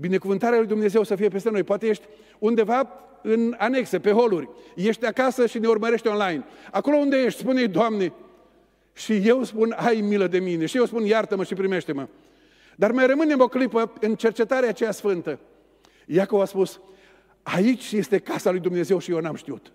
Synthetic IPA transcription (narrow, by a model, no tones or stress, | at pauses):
bine̞kuvɨnt̪aɾealujd̪umne̞ze̞wsəfijep̬est̪e̞no̞jpoat̪e̞je̞ʃt̪ʲ | und̪e̞va | ɨnane̞ksepe̞ɦo̞lurʲje̞ʃt̪ʲakasəʃine̞urməɾe̞ʃt̪ʲo̞nlajnako̞lo̞und̪e̞je̞ʃt̪ʲspunejd̪oamne̞ | ʃije̞wspunajmiləd̪e̞mine̞ʃijewspunjart̪əməʃipɾime̞ʃt̪e̞mə | d̪armajrəmɨne̞mo̞klipəɨnt͡ʃe̞rt͡ʃe̞t̪aɾeat͡ʃejasfɨnt̪ə | jako̞vaspus | ait͡ʃʲje̞st̪e̞kasalujd̪umne̞ze̞wʃijewnamʃt̪iut̪